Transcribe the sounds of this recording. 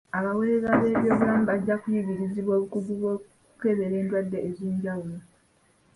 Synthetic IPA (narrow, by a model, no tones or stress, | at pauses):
aβaweɾezaβe̞βjoβuaːmubaɟːakujiɡiɾiziβo̞ːβukuɡuβwo̞k | uke̞βe̞ɾe̞ːndwadːeːzeːɲɟawulo̞